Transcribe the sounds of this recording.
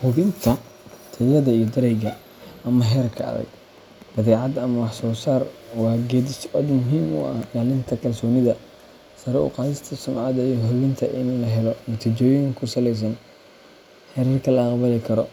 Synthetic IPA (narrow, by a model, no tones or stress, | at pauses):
hʊβɪnt̪ʰɐ | t̪ʰɐjɐðɐijɔd̪ɐɾɛjɡɐ | ɐmɐɦɛːrkʰɐɐ̰ðɐ̰ɡ | d̪̥ɐðɛːʕɑd̪ɐmɐwɑħsɔːsaːrwɑːɡɛːd̪ɪsɐd̪mʊɦiːmʊ̰ʔɐhɡaːlɪnt̪ʰɐkʰɐlsɔːnɪðɐ | sɐɾɛʊ̰qɑːsɪst̪ʰɐsʊmʕɑd̪ɐjɔɦʊβɪnt̪ʰɐʔɪnlɐɦɛlɔnɐt̪ʰiːt͡ʃɔːjɪŋkʰʊsɐlɛjs̬ɐn | hɛɾɐrkʰɐlɐqβɐlɛkʰɐɾɔ